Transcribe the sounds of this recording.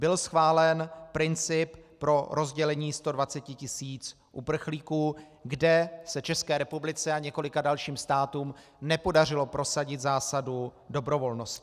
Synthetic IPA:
bɪlsxvaːlɛnpɾɪnt͡sɪppɾo̞ɾʔo̞zɟɛlɛɲiːst̪o̞dvat͡sɛcɪcɪsiːt͡s | ʔupr̩xliːkuː | ɡdɛsɛt͡ʃɛskɛːɾɛpublɪt͡sɛaɲɛko̞lɪkadalʃiːmst̪aːt̪uːm | nɛpo̞darɪlo̞pɾo̞saɟɪt̪zaːsadudo̞bɾo̞vo̞lno̞scɪ̥

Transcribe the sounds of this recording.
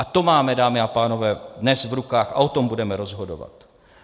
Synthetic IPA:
ʔat̪o̞maːmɛdaːmɪapaːno̞vɛːdnɛsvɾukaːxa̰ʔo̞t̪o̞mbudɛmɛɾo̞zɦo̞do̰va̰t̪

